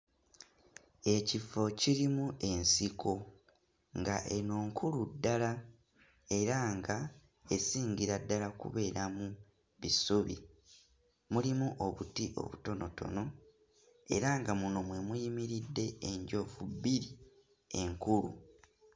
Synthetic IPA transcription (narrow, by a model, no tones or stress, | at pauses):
e̞cifo̞ciɾimue̞nsikʰo̞ | ŋɡaʔe̞no̞ːŋkʰuludːala | e̞ɾaŋɡa | e̞siːɲɟiɾadːalakṵβe̞ːɾamu | βisuβḭ | mulimuʔo̞βutiʔo̞̰βuto̞no̞to̞̰no̞ | e̞̰ɾaŋɡamuno̞mwe̞mujimiɾidːe̞eɲɟo̞vubːiɾi | e̞ŋkulṵ